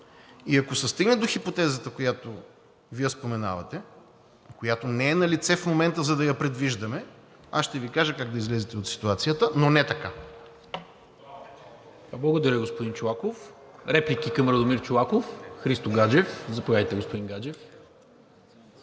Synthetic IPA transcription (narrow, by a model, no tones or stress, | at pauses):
iɐkosɛst̪iɡnɛd̪oxipot̪ɛzət̪əkojat̪o | vijəspomɛna̰vɐt̪ɛ | kojat̪onɛːnɐlit̪sɛfmomɛnt̪əzɐd̪ɐjɐpɾɛd̪viʒd̪ɐmɛ | a̰sʃt̪ɛvikaʒəkaɡd̪ɐizlɛzɛt̪ɛot̪si̥t̪uat̪sijət̪ənonɛt̪ɐka | blˠɐɡod̪ɐɾʲəɡospod̪int͡ʃolˠakof | ɾɛplʲikʲikɐmɾɐd̪omiɾt͡ʃolˠakofxɾist̪oɡad͡ʒɛfzɐpovad̪əjt̪ɛɡospod̪iŋɡad͡ʒɛf